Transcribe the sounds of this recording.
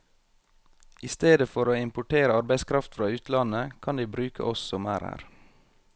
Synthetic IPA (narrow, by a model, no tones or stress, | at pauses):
ʔist̪eːd̪əfɔɾoːɪmpʊʈʰeːɾəɑɾbæɪskʰɾɑft̪fɾɑːʉːt̪lɑnəkʰɑnd̪iːbɾʉːkʰə̰ʔɔsɔmæ̰ːɾhæ̰ːɾ